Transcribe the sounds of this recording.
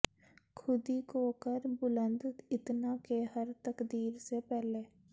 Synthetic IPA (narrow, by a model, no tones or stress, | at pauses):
kʰʊd̪ikoːkəɾbʊlə̃nd̪ɪt̪nakeɦəɾt̪əkd̪iːɾsepɛːleː